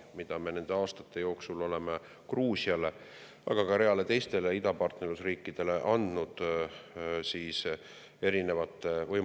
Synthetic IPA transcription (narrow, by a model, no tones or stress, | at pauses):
mid̪̥ɑme̞ne̞nd̪̥e̞ɑːst̪ɑ̥t̪ːˑe̞jo̞ːksulo̞le̞me | kruːsiɑle̞ | ɑ̰ɡ̥ɑkɑɾe̞ɑle̞t̪e̞jst̪e̞leid̪ɑpɑrt̪neɾlusriːkːid̪̥e̞le̞ʔɑnd̪̥nud̪̥ | siːs | e̞ɾine̞vɑt̪ːˑevɤj